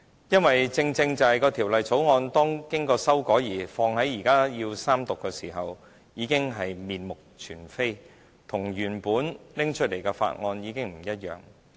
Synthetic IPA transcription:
jɐ˥nwɐ˨jt͡sɪ˧ŋt͡sɪ˧ŋt͡sɐ˨ɐ˨jkɔː˧t̪ʰiː˨˩wlɐ˨jt͡so˨˥wŋɔː˧nt̪ɔː˥ŋkɪ˥ŋkɔː˧sɐ˥wkɔː˨˥jiː˨˩fɔː˧ŋhɐ˨˥jiː˨˩kaː˥jiː˧wsaː˥mt̪ʊ˨kːɛː˧siː˨˩ɦɐ˨w | jiː˨˧kɪ˥ŋɦɐ˨jmiː˨nmʊ˨k̚t͡ʃʰyː˨˩nfe˥j | t̪ʰʊ˨˩ŋjyː˨˩npuː˨˥nlɪ˥ŋt͡ʃʰɵ˥t̚le˨˩kɛː˧fa̰ː˧t̚ŋɔː˧njiː˨˧kɪ˥ŋm̩˨˩jɐ˥t̚jœ̰ː˨˩ŋ

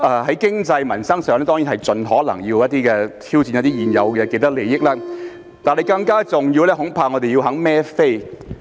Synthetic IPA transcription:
ʔɛː˧˩ɦɐ˨˥jkɪ˥ŋt͡sɐ˧jmɐ˨˩nsɐ˥ŋsœː˨˩ŋlɛː˥t̪ɔː˥ŋji˨˥nɦɐ˨˩jt͡sɵ˨nɦɔː˨˥lɐ̰˨˩ŋjiː˧wjɐ˥t̚t̪iː˥kɛː˧t̪ʰiː˥wt͡si˧njɐ˥t̪iː˥jiː˨˩njɐ̰˨˧wkɛ˧ke˧jt̪ɐ˥k̚le˨˩jɪ˥k̚laː˥ | t̪aː˨nhɐ˨jkɐ˧ŋkaː˥t͡sʊ˨ŋjiː˧wlɛː˥ɦʊ˨˥ŋpʰaː˧ŋɔː˨˧t̪e˨ji˧wɦɐ˨˥ŋmɛː˥fe˥j

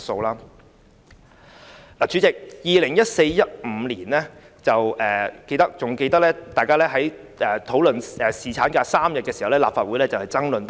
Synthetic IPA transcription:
so˧wlaː˥ | laː˨˩t͡ʃʰyː˨˧˥t͡sɪ˨k̚jiː˨lɪ˨˩ŋjɐ˥t̚se˧jjɐ˥t̚m̩˨˧˦liː˨˩nlɛː˥ | t͡sɐ˨wʔɛː˨ke˧jt̪ɐ˥k̚t͡sʊ˨ŋke˧jt̪ɐ˥k̚lɛː˥t̪aː˨jkaː˥lɛː˥ɦɐ˨˥j | ʔɛː˨˩t̪ʰo˨˥wlɵ˨nɛː˨˩siː˨˩t͡sʰaː˨˥nkaː˧saː˥mjɐ˨t̚kɛː˧si˨hɐ˨wlɛː˥laː˨pfaː˨t̚wu˨˥jlɛː˥t͡sɐ˨whɐ˨jt͡sɐ˥ŋlɵ˨np

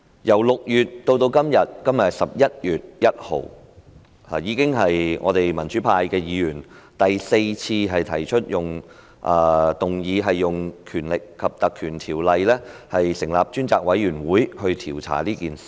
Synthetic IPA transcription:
jɐ˨˩wlʊ˨k̚jyː˨t̚t̪o˧wt̪o˧wkɐ˥mjɐ˨t̚kɐ˥mjɐ˨t̚sɐ˨p̚jɐ˥t̚jyː˨t̚jɐ˥t̚ho̰˨˩w | aː˨jiː˨˧kɪ˥ŋɦɐ˨jŋʔɔː˨˧t̪e˨jmɐ˨˩nt͡ʃyː˨˥pʰaː˧jkɛː˧jiː˨˧jyː˨˩n | t̪ɐ˨jse˧jt͡sʰiː˧ɦɐ˨jt̪ʰɐ˨˩jt͡ʃʰɵ˥t̚jʊ˨ŋ | ʔaː˧t̪ʊ˨˩ŋjiː˨˧ɦɐ˨jːʊ˨ŋkʰyː˨˩nlɪ˨kʰːɐ˨p̚t̪ɐ˨kʰyː˨˩nt̪ʰiː˨˩wlɐ˨˧jlɛː˥hɐ˨jsɪ˨˩ŋla̰ː˨˩p̚t͡ʃyː˥nt͡sa̰ː˨k̚wɐ˨˥jyː˨˩nwuː˨˥jhɵ˧ɥt̪ʰiː˨˩wt͡sʰa̰ː˨˩liː˥kiː˨ns

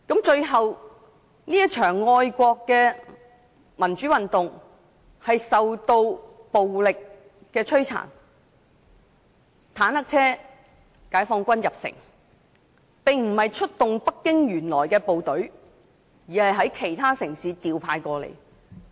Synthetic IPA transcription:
kɐ˨˥mt͡ʃɵ˧ɥɦɐ˨w | niː˥jɐ˥t͡ʃʰœː˨˩ŋːɔː˧jkʷɔː˧kːɛː˧ | mɐ˨˩nt͡ʃyː˨˥wɐ˨nt̪ʊ˨ŋ | hɐ˨jsɐ˨wt̪o˧wpo˨wlɪ˨k̚ː | ɛː˧t͡ʃʰɵ˥ɥt͡sʰa̰ː˨˩n | t̪ʰaː˨˥nhɐ˥k̚t͡sʰɛː˥ | kaː˨˥jfɔː˧ŋkʷɐ˥njɐ˨p̚sɪ̰˨˩ŋ | pɪ˨ŋm̩˨˩hɐ˨jt͡ʃʰɵ˥t̚t̪ʊ˨ŋpɐ˥kːɪ˥ŋjyː˨˩nlɔː˨˩jkɛː˧po˨wt̪ɵ˨˥ɥ | jiː˨˩hɐ˨jɦɐ˨˥jkʰe˨˩jt̪ʰaː˥sɪ˨˩ŋsiː˨˥t̪iː˨wpʰaː˧jkʷɔː˧lḛ˨˩j

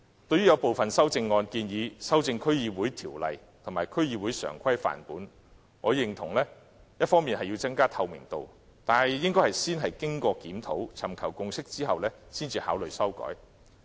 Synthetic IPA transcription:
t̪ɵ˧ɥy˥jɐ˨˧wpo˨wfɐ˨nsɐ˥wt͡sɪ˧ŋːɔː˧nkiː˧njiː˨˧sɐ˥wt͡sɪ˧ŋkʰɵ˥ɥjiː˧wuː˨˥jt̪ʰiː˨˩wlɐ̰˨j | t̪ʰʊ˨˩ŋmaː˨˩jkʰɵ˥ɥjiː˨˧wu˨˥jsœ̰ː˨˩ŋkʰɐ˥jfa̰ː˨˩npuː˨˥n | ŋɔː˨˧jɪ˨ŋt̪ʰʊ˨˩ŋlɛː˥ | jɐ˥t̚fɔː˥ŋmiː˨nɦɐ˨jiː˧wt͡sɐ˥ŋkaː˥t̪ʰɐ˧wmɪ̰˨˩ŋt̪o̰˨w | t̪aː˨nhɐ˨˩jjɪ˥ŋkɔ˥jhɐ˨˩jsiː˥nɦɐ˨jkɪ˥ŋkɔː˧kiː˨˥mt̪ʰo˨˥wt͡sʰɐ˨˩mkʰɐ˨˩wkʊ˧ŋsɪ˥k̚t͡siː˥ɦɐ˨wlɛː˥siː˥nt͡siː˧haː˨˥wlɵ˨jsɐ˥wkɔ̰ː˨˥j

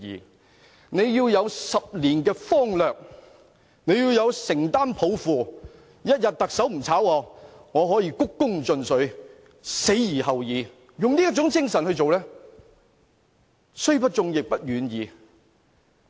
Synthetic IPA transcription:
ḭː˨ | ne˨˧jjiː˧wjɐ˨˧wsɐ˨p̚liː˨˩nkɛː˧fɔː˥ŋlœː˨k̚ | ne˨˧jiː˧wjɐ˨˧wsɪ˨˩ŋt̪aː˥npʰo˨˥wfuː˨ | jɐ˥t̚jɐ˨t̚t̪ɐ˨k̚sɐ˨˥wm̩˨˩t͡sʰaː˨˥wɔː˧ŋɔː˨˧ɦɔː˨˥jiː˧kʊ˥kːʊ˥ŋt͡sɵ˧nsɵ˨˥ɥ | se˨˥jjiː˨˩ɦɐ˨wjiː˨˧ | jʊ˨ŋliː˥jɐ˥t̚t͡ʃʊ˨˥ŋt͡sɪ˥ŋsɐ˨˩nhɵ˧t͡so˨wlɛː˥ | sɵ˥ɥpɐ˥t̚t͡ʃʊ˨˧ŋjɪ˨k̚pɐ˥t̚ɥyː˨˥njiː˨˧

